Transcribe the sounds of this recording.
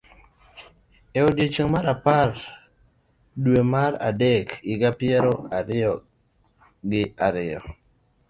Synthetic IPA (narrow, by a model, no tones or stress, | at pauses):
eodjet͡ʃoŋmaɾapar | dwemaɾa̰dekɪɡapɪɛɾoaɾɪɔ | ɡɪaɾɪɔ̰